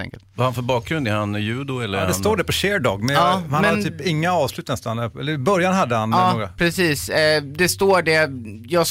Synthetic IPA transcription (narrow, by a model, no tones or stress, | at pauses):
ɛ̰ŋkə̰lt̪vahanfœɾbɑːk̚ɡɾɵnd̪æɾhanjʉ̟ːd̪ʊɛlːəɾhd̪ɛanst̪oːɖɛpɔɕeːɾɖɑːɡmɛɑːhanmɛhad̪nʰyːpɪŋːaɑːvslʉt̪nɛst̪anəɛlːəɾɪbœɾjanɦad̪ːəhanɑːoːɡɾapʰɾɛsiːsd̪ɛst̪oːɖɛ | jɑːɡs